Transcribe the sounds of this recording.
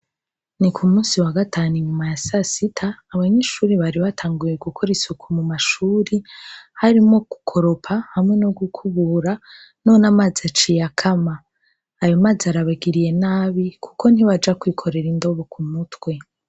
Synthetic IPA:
nikʰumuːsiwaɡataːnuiɲumajasasitʰaːβaɲeʃuːɾiβaɾiβatʰaːŋɡuje̞ɡukʰoɾisukʰumumaʃuːɾihaɾimo̞ɡ̥ukʰo̞ɾo̞pʰahamŋe̞noɡukʰuβuɾa | no̞ːnamaːziat͡ʃijakʰamaː | jo̞maːziaɾaβaɡiɾije̞naːβikʰu̥ko̞n̥iβad͡ʒakwiːkʰo̞ɾe̞ɾindo̞βokʰumutwe̞

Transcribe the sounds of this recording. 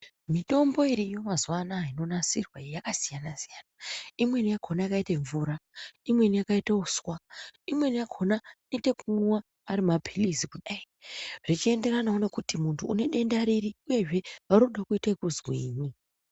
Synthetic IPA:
mito̞mbo̞iɾijo̞mazuʋanaino̞nasirwaejakasijanasijaːnaimwe̞nijakʰo̞najakaiteɱvuːɾaimwe̞nijakaitauswaimwe̞nijakʰonanitekunuwaː | ɾimapʰilizikuɗai | rit͡ʃie̞nde̞ɾanaono̞kutimuntʰuːne̞ɗe̞ndaɾiɾiuje̞ʐe̞raɾoɗakuitekuzwiːɲi

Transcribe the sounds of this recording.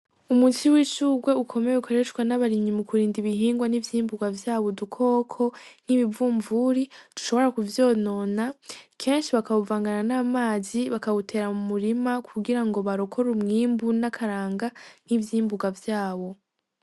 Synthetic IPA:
umusiwiːʃuːɡwe̞ukʰo̞me̞jeukʰaɾe̞t͡ʃkwanaβaɾiɲimukuɾiːndiβiɦiːŋɡwanivjiːmbuɡavjaːβo̞dukʰo̞ːkʰo̞n̥iβivuːɱvuɾitu̥ʃo̞βo̞ɾakuvjo̞ːno̞nakʰe̞nʃiβakawuvaːŋɡananaːmaːziβakawutʰe̞ɾamumuɾimakʰuɡiɾaŋɡo̞βaɾokʰo̞ɾumŋiːmbunakʰaɾaːŋɡan̥ivjiːmbuɡavjaːβo̞

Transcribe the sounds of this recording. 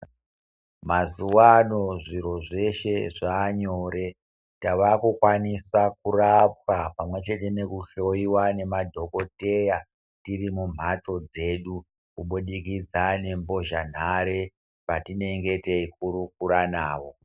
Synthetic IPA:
mazuwanoʐiɾo̞ʐe̞ʃeʐaːɲoːɾe̞ | taʋakukwanisakurap̚apamwe̞t͡ʃe̞te̞ne̞kuɬo̞iwane̞madʱo̞ko̞te̞ja | tirimum̤ʱato̞d͡ze̞ɗu | kuɓuɗikid͡zane̞mbo̞ʒan̤aɾe̞ | patine̞ŋɡe̞teikuɾuk̚uɾanaːʋo̞

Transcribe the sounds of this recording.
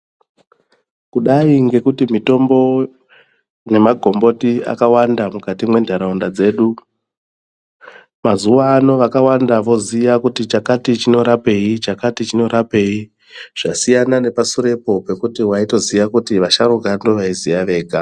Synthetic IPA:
kuɗaiŋɡe̞kutimito̞mbo̞ | ne̞maɡʱo̞mbo̞tia̰kawandamukatimwe̞ndʱaɾaundad͡ze̞ːɗu | mazuʋaːno̞ʋakawandaʋo̞zijakutit͡ʃakatit͡ʃino̞ɾape̞it͡ʃakatit͡ʃino̞ɾape̞i | ʐ̥asijanane̞pasuɾe̞po̞pe̞kutiwaito̞ziʋakutiʋaʃaɾoɡʱando̞ʋaizijaʋe̞ːɡʱa

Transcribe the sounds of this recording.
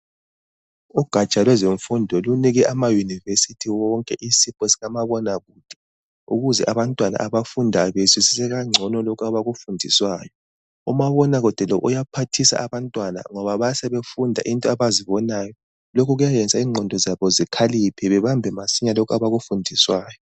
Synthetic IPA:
uɡ̥ʱat͡ʃʼalwɛzeɱfundʱɔluniɣɛʔamajunivesitʰiwɔŋkʼɛʔisipʰʼɔsiɣamaβɔnaɣud̥ʱɛ̥ | ṵɣuzɛʔaβantʼwana̰ʔaβafundʱaβesisisɛɣaŋ͡ǀʱɔnɔlokʰuaβaɣufundʱiswaːjɔ | umaβɔnaɣud̥ʱɛlɔʔujapʰatʰisa̰ʔaβantʼwana̰ŋɔβaβasɛβefundʱa̰ʔintʼɔaβaziβɔnaːjɔ | lokʰuɣujajɛnd͡zʱʼaiːŋ͡ǃʱɔndʱɔzaβɔzikʰalipʰɛβɛβambʱɛmasiɲalokʰaβaɣufundʱiswaːjɔ

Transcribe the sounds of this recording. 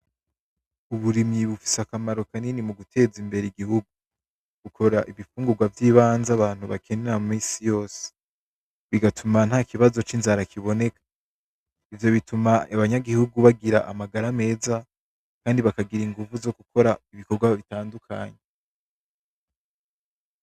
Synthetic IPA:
uβuɾimɲiβufi̥sakamaɾo̞kaninimuɡutʰe̞ːzimbe̞ɾeiɡihuɡu | ɡ̥ukʰo̞ɾaʔiβifuːŋɡuɡwavjiːβaːnzaβaːn̥huβakʰe̞neɾamumiːsijo̞ːse̥ | βiɡatʰuman̥haːkiβazo̞t͡ʃinzaɾakʰiβo̞ne̞kʰḁ | ivjo̞βitumaaβaɲaɡihuɡuβaɡiɾaʔamaɡaɾame̞ːza | kaːndiβakaɡiɾiŋɡuvuzo̞kukʰo̞ɾaiβikoɾɡwaβitaːndukʰa̰ːɲe

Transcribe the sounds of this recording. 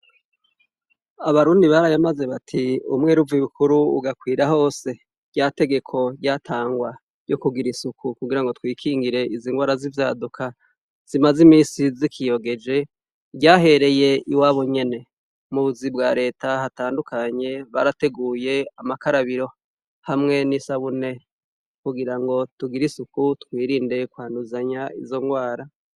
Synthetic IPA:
aβaɾuːndiβaɾajamaze̞βatʰiṵmŋe̞ːɾuviβukʰuɾṵːɡakwiːɾaho̞ːse̞ | ɾjaːte̞ɡe̞kʰo̞jatʰaːŋɡwa | jo̞kuɡiɾisukʰukuɡiɾaŋɡo̞twiːkʰiːŋɡiɾe̞iziŋɡwaːɾazivja̰dukʰa | z̥imazimiːnsizikʰijo̞ɡe̞d͡ʒe̞ | ɟɟaːɦe̞ɾe̞je̞iwaːβoɲe̞ne̞ | muβuzibɡaːɾe̞ːtahataːndukʰaɲe̞βa̰ɾate̞ɡuːje̞amakaɾaβiɾo̞ | hamŋe̞nisaβune̞ | kuɡiɾaŋɡo̞tuɡiɾisukutkwiːɾiːnde̞kwaːnduzaɲaḭzo̞ŋɡwaːɾa

